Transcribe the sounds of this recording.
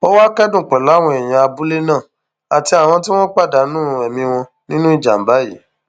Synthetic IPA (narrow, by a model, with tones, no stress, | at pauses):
o˦wa˦kɛ˦dũ˦˨k͡pɛ˨la˨˦˨w̃ɔ̃˧ɛ˨j̃ã˧a˧bu˦le˦nã˦˨ | a˨ti˧˦a˨w̃ɔ̃˧t̬i˦w̃ɔ̃˦k͡pa˦˨da˨˦nũ˦˨ɛ˨mĩ˧w̃ɔ̃˧ | nĩ˦nũ˦i˦˨d͡ʒa̰˨m̩˨˦ba˨˦ji˨˦